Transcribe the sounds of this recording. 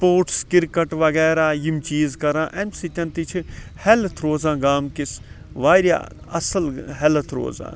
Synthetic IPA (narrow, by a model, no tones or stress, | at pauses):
spoːɾʈskɪɾkɐʈʋɐɣɛːɾaːjimt͡ʃiːzkɐɾãːʔemsit̪ʲɐ̃nt̪it͡ʃʰihɛlt̪ʰɾoːzãːɡaːmkis | ʋaːɾja̰ | ɐsɐlɦɛlt̪ʰɾo̰ːzã̰ː